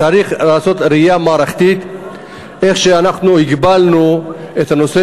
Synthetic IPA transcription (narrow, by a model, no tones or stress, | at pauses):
aɾiχlaːso̞t̪ɾiijamaːɾaχt̪it̪ | ʔe̞χʃeanaχnuhiɡbalnuet̪ano̞se